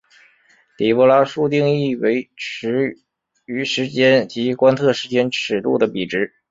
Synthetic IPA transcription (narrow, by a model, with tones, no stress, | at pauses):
t̪i˨˩pɔ˧˥la˥ʂu˥˧t̪̬i˥˧ŋi˥˩we˧˥ɪʈ͡ʂʰɻ̩˧˥ | y˧˥ʂɻ̩˧˥t͡ɕjɛ˥nt͡ɕi˧˥kwa˥nt̪ʰɤ˥˩ʂɻ̩˧˥t͡ɕjɛ˥nʈ͡ʂʰɻ̩˨˩t̪ṵ˥˩d̪ə˩pi˨˩ʈ͡ʂɻ̩˧˥